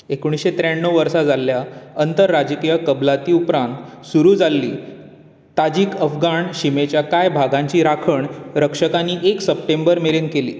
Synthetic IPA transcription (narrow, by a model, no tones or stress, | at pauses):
ekuɽ̃isɕet̪ɾeɳːəwʋəɾsad͡zalːjaənt̪əɾːad͡ʑkijəkəblat̪iupɾãnt̪suɾuːd͡zalːḭː | t̪ad͡ʑiːkəfɡaɳɕimet͡ɕjakajbʱaɡãɲt͡ɕiːɾakʰəɳɾəkʂəkãnːiʔeksəp̚ʈembəɾmeɾenkelḭː